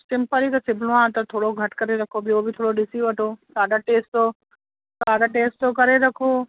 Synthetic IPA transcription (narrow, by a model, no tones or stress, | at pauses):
sɪ̃mpəɾit̪ɐsɪbʱlõãːt̪ɐt̪ʰoːɽoɡʱɐʈkɐɾeɾɐkʰobioːbʱɪt̪ʰoːɽoɗɪsiʋɐʈʰoːsaːɖaʈeːsʈo | saːɖaʈeːsʈokɐɾeɾɐkʰoː